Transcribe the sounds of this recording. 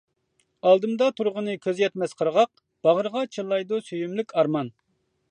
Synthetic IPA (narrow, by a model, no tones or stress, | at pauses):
ɑlˠd̪ɨmd̪ɑt̪ʰuɾʁənɨkʲʰøzjɛt̪mɛsqʰəɾʁɑq̚ | b̥ɑʁəɾʁɑt͡ʃʰɨlˠːɑjd̪usøjymlykʲʰɑɾmɑn